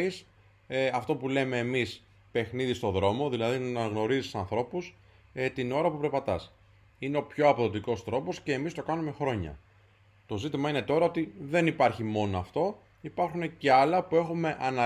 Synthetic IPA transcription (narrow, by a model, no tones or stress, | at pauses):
is | ɐft̪o̞pule̞me̞ːmis | pe̞xniðist̪o̞ðɾo̞mo̞ðilɐðinɐnɐɣno̞ɾizissɐnθɾo̞pus | et̪ino̞ɾɐpupɾe̞pɐt̪ɐs | ine̞o̞pço̞ɐpo̞ðo̞t̪iko̞st̪ɾo̞po̞sce̞ːmist̪o̞kɐnume̞xɾo̞ɲɐ̰ | t̪o̞zit̪imɐine̞t̪o̞ɾɐo̞t̪iðe̞nipɐɾçimo̞no̞ɐft̪o̞ | ipɐɾxune̞ce̞ɐlɐpue̞xume̞ʔɐnɐ